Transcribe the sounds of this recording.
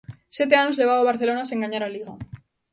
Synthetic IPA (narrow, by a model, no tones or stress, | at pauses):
sjet̪̬e̞aɲozle̞β̞aβaβaɾθe̞lonaseŋɡaɲaɾaliɣa